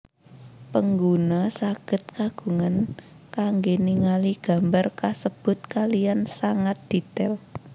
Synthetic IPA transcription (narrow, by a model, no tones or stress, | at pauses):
pəŋɡunasaɡ̥ə̤t̪̚kaɡ̥ṳŋan | kaŋɡeniŋaliɡ̥ä̤mbarkasəb̥ʊ̤t̪̚kalijansaŋat̪̚d̪̥i̤t̪ɛl